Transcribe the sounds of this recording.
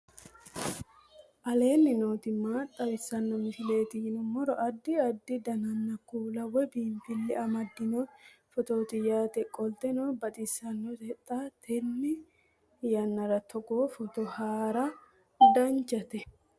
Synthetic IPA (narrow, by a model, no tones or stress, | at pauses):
ʔɐle̞ːnːɪnoːt̪ɪmːaːt̪ʼːɐwɪsːɐnːɔmɪfɪle̞ːt̪ɪɪnɔmɔɾɔʔɐd̪ːɪɐd̪ːɪd̪ɐnɐnːɐkːuːlɐwɛbiːmfɪlːɪʔɐmɐd̪ːɪnɔfɔt̪oːt̪ɪjaːt̪ɛkʼɔlt̪ɛnɔbɐt̪ʼɪsːɐnːɔt̪ɛt̪ʼːat̪ʰɛnːɪ | jɐnːɐɾɐt̪ʰɔɡoːfɔt̪ɔhaːɾɐ | d̪ɐnt͡ʃːɐt̪ɛ